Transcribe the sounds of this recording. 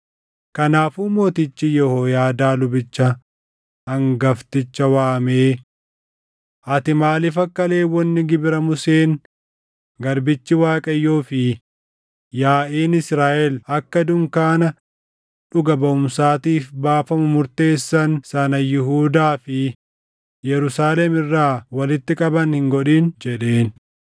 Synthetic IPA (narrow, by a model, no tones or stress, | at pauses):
kɐnaːfuːmo̞ːt̪ɪt͡ʃːɪjɔhoːjaːd̪aːlʊbɪt͡ʃːɐ | hɐŋɡɐft̪ɪt͡ʃːɐwaːmeː | ʔɐt̪ɪmaːlɪfɐkːɐle̞ːwɔnːɪɡɪbɪɾɐmʊseːŋ | ɡɐɾbɪt͡ʃːɪwaːkʼɐjːoːfɪ | jaːʔeːnɪsɾaːʔɛlɐkːɐd̪ʊŋkaːnɐ | ᶑʊɡɐbɐʊmsaːt̪iːfbaːfɐmʊmʊɾt̪e̞ːsːɐnsɐnɐjɪɦuːd̪aːfɪ | jɛɾʊsaːlɛmɪrːaːwɐlɪt̪ːɪkʼɐbɐnhɪŋɡɔᶑiːnd͡ʒɛᶑe̞ːn